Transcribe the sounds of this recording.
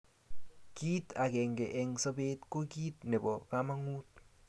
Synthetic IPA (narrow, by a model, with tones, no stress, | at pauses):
ki˦ta˨kɛ˨ŋɡe˨ʔɛ˨ŋso˦be˦tko˦ki˦tne˨bɔ˨ka˦ma˦ŋu˦t̚